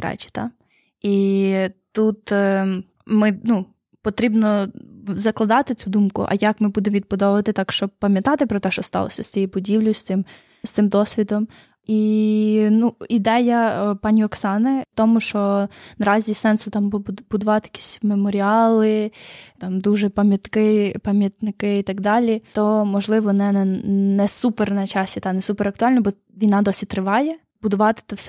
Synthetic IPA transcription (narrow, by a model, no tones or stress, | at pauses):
ɾɛ̰t͡ʃi̥t̪ɑ | i | t̪ut̪ | mɪnu | pɔt̪ɾʲibnɔzɐklˠɐd̪ɑt̪ɪt͡sʲud̪umkʊ̰ʔɐ̰jakmɪbud̪emʋʲid̪̚pɔd̪ɔʋʋɐt̪ɪt̪ɑkʃt͡ʃɔb̚pɐmʲjɐt̪ɑt̪ɪpɾɔt̪ɛʃt͡ʃɔst̪ɑ̰lˠɔ̰sʲɐst̪t͡sʲijɛbʊdʲiwlʲʊst̪sɪm | st̪ɪmd̪ɔsʲʋʲid̪ɔm | i | nuid̪ɛjɐpɑnʲiɔksɑnɪt̪ɔmʊʃt͡ʃɔnɐɾɑzʲisɛnsʊt̪ɑmbbʊd̪ʊʋɑt̪ɪjɐkʲi̥sʲmemɔɾʲɪɑlˠɪt̪ɑmd̪uʒɛpɐmʲjɐt̪kɪpɐmʲjɐt̪nɪkɪit̪ɐɡd̪ɑlʲit̪ɔmɔʒlˠɪʋɔnɛnɛnɛsupɛrnɐt͡ʃɑsʲit̪ɑnɛsupeɾɐk̚t̪ʊɑlʲnɔbɔ | ʋʲijnɑd̪ɔsʲit̪ɾɪʋɑjɛ | bʊd̪ʊʋɑt̪ɪ̥t̪ɔsʲɛ